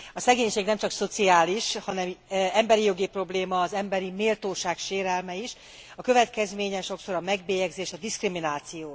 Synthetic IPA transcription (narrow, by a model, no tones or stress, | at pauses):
ɒsɛɡeːɲʃeːɡnɛmt͡ʃɒkso̞t̪siaːliʃhɒnɛmɛmbɛɾijo̞ɡipro̞bleːmɒːzɛmbɛɾimeːlt̪oːʃaːkʃeːɾɛlmɛiʃ | ɒkø̞vɛt̪kɛzmeːɲɛʃo̞kso̞ɾɒmɛɡbeːjɛɡzeːʃɒd̪iskriminaːt̪sijoː